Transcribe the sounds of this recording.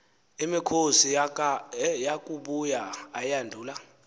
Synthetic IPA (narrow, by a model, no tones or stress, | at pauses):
imikʰosi | jakʼuɓujaːjandʱuːla